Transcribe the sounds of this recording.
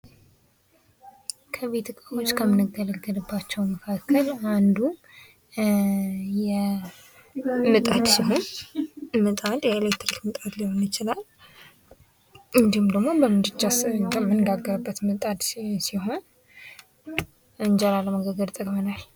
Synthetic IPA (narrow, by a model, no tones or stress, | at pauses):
kʰəβet̪ʰɨkʼawo̞t͡ʃːkʰəmɨnɨɡːələɡːəd̪ɨbːat͡ʃːɛwməkʰakʰːəland̪u | jɛ | mɨt̪ʼad̪siɦo̞n | mɨt̪ʼad̪jɛelajt̪ʰɨɾikmɨt̪ʼat̪liho̞nɪt͡ʃɪlal | ɨnd̪ihumd̪əɡmo̞bəmɨd̪ɨt͡ʃːaskʰəmːɨnɨɡaɡːəɾəbːət̪mɨt̪ʼad̪siɦo̞n | ɨnd͡ʒalaləməɡəɡəd̪t̪ʼəkʼmənal